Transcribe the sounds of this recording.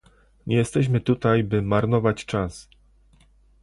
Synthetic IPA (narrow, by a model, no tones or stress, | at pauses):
ɲɛjɛst̪ɛɕ̬mɘt̪ut̪ajbɘmaɾnɔvat͡ɕt͡ʂas